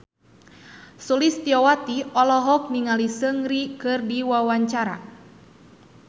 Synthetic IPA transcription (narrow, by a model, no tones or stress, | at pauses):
sulist̪iɔwat̪iɔlɔɦɔk̚niŋalisəŋɾikɨrdiwawaɲt͡ʃaɾa̰